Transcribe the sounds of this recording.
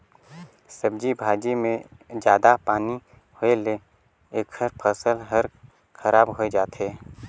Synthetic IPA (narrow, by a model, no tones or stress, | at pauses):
səbd͡ʒibʱaːd͡ʒimẽd͡ʒjaːd̪apaːni | hoele | eːkʰəɾpʰəsəlɦəɾ | kʰəɾaːbɦoed͡ʒaːt̪ɦeː